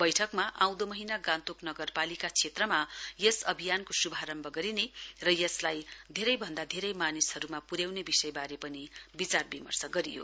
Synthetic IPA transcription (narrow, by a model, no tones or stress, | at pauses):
b̥ʌjʈʰʌkmaʔãw̃d̪omʌɦinaɡãnt̪oknʌɡʌrpalikat͡sʰet̪rʌmajʌsʌbʱijankosubʱaɾʌmbʱʌɡʌɾinerʌjʌslajd̪ʱeɾʌjbʱʌnd̪ad̪ʱeɾʌjmanisɦʌɾumapuɾjawnebisʌjbaɾepʌnibit͡sarbimʌ̰rsʌɡʌɾḭjo̰